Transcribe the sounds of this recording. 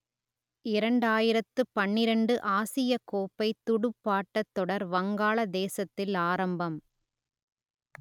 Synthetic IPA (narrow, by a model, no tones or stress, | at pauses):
ɪɾɐɳɖaːjɪɾɐt̪ːɯpɐɳːɪɾɐɳɖɯʔaːsɪjɐkoːpːɐɪt̪ːʊɽɯpːaːʈːɐt̪ːɔɽɐɾʋɐŋɡaːɭɐd̪eːsɐt̪ːɪlaːɾɐmbɐm